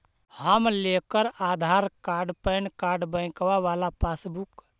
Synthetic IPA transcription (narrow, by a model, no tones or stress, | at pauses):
həmlekəɾad̪ʱaɾkaɾɖpənkaɾɖbə̃kʋaʋalapasbuk